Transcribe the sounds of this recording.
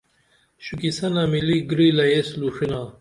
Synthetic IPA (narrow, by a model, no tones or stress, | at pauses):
ɕukisɐnamiliɡɾilɐjesluʂina